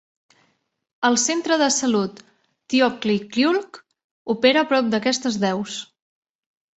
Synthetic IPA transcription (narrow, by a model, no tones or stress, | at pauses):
əlˠsent̪ɾəðəsəlut̪ː | iɔklikliulˠk | upeɾəːpɾɔp̚d̪əkɛst̪əzðɛws